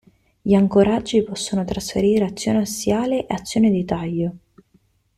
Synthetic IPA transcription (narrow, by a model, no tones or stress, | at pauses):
ʎiaŋkoɾad͡ʒːipɔsːonot̪ɾasfḛɾiːɾeat̪sːjo̰ːneasjaːleʔḛat̪sːjoːned̪it̪aʎːo